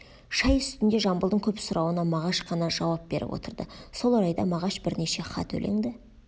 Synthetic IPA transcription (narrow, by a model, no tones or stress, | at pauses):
ʃɑjʏst̪ɪnd̪e̞ʒɑmbəlˠd̪əŋkʲʰɵpsʊɾʔɑwənɑmɑʁɑʃqʰɑnɑʒɑwɑp̚b̥e̞ɾʔɪ̰pwo̰t̪əɾd̪əso̞lˠɑɾɑjd̪ɑmɑʁɑʃbɪɾne̞ʃe̞χɑ̰t̪ʰɵ̰lʔe̞̰ŋd̪ɪ